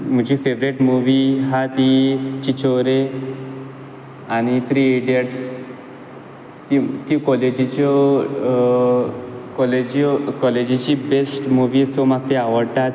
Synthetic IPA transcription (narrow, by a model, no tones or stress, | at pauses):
m̤əd͡ʑiːfeʋɾeʈmuʋiɦat̪it͡ɕit͡ɕoɾe | añit̪ɾiɖeʈs | t̪it̪ikɔled͡ʑit͡ɕɔ | kɔled͡ʑkɔled͡ʑit͡ɕibesʈmuʋiːsomaɡ̚t̪eaʋəɽt̪at̪